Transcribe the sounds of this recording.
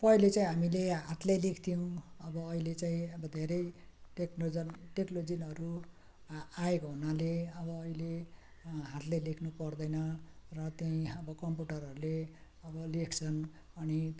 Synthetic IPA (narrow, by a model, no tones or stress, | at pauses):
pʌilet͡saĩɦamileɦat̪lejlekʰt̪ʰijow̃ʌbʌːilet͡saĩʌbʌd̪ʱeɾʌjʈekod͡zʌnʈeklod͡zinʌɾu | aekoɦunaleʌbʌːile | ɦat̪ʰlajlekʰnupʌrd̪ʌjnʌrʌt̪jaĩʌbʌkʌmpuʈʌrɦʌɾule | ʌbʌlekʰt͡sʰʌn | ʌni